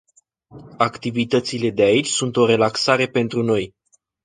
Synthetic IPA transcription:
akt̪ivit̪ət̪sile̞d̪e̞ait͡ʃʲsunt̪o̞ɾe̞laksaɾe̞pe̞nt̪ɾuno̞j

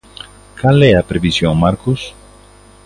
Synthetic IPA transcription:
kaleapɾeβisjoŋmaɾkus

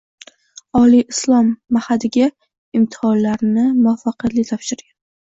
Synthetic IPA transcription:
ɒliɪslˠɒmːahad̪ɪɡʲa | ɪmt̪ʰɪ̥hɒnlaɾnɪmʊafːaqjat̪lɪt̪ʰɒfʃɪɾɡʲan

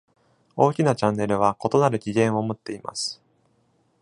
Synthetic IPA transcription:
o̞ːkʲinat͡ɕãnːe̞ɾɯ̟β̞ako̞t̪o̞naɾɯ̟kʲiɡʲẽ̞ɰ̃o̞mot̪ːe̞ima̰sɨ̥

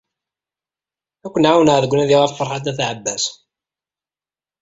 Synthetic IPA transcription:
ækʷːənʕawənʁðəɡʷːənæðiʁafəɾˤħat̪ːæθʕəbːæs

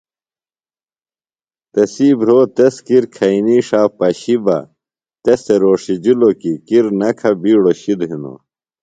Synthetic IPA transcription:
t̪ɐsiːbɾoːt̪eskiɾkʰɐiniʂaːpɐɕibɐ̰ | t̪eseɾoːʂid͡ʑulokikiɾnɐkʰɐbiːɽoɕid̪ɦino̰

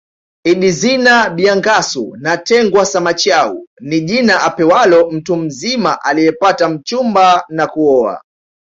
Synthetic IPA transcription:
iɗizinaɓiaŋɡasṵnatɛŋɡwasamat͡ʃaṵniʄinaʔapɛwalɔm̩tum̩zimaʔalijɛpatam̩t͡ʃumbanakuɔa̰

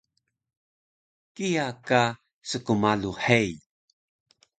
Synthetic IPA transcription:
kijaka | səkumaluħej

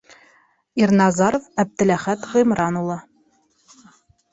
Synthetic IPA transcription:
irnɑzɑɾofæb̚t̪ɘ̆læχæt̪ʁɤ̆mɾɑnulˠɑ

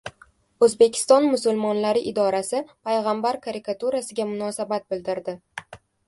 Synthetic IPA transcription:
ɵzbe̞kʲʰɪ̥st̪ɒnmʊsʊlˠmɒnlaɾɪʔɪd̪ɒɾasɪpʰajʁambaɾkʰaɾɪkat̪uɾasɪɡʲamʊnɒsabat̪̚bɪld̪ɪɾd̪ɪ

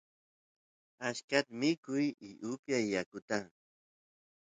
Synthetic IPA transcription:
aʃkat̪mɪkʊjɪʔʊpjajːakʊt̪a

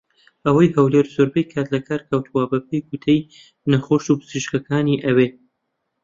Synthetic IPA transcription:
ɐwɐjhɐwleɾzoɾbejkʰat̪lɐkʰaːɾkʰɐwt̪ʰuwabɐp̚ʰejɡut̪ʰɐj | nɐχoʃupʰɨ̥z̥iʃkɐkʰaːniʔɐwe

